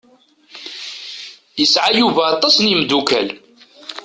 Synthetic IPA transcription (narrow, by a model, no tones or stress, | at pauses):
jəsʕajuvaɑt̪ˤːɑsˤnimd̪ukæl